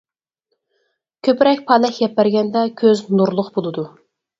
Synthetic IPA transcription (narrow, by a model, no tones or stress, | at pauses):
kʲʰøpɪɾɛkʲpʰɑlɛkʲjʲɛpːæɾɡʲɛnd̪ɛkʲʰøznuɾlˠʊqbolˠɨd̪u